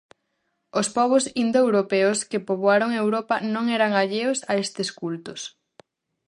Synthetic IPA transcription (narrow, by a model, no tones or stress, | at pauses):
ospɔβ̞osind̪oewɾopeʊskepoβwaɾoŋewɾɔpɐnõŋɛɾaŋaʎeosaest̪ɪskult̪ʊs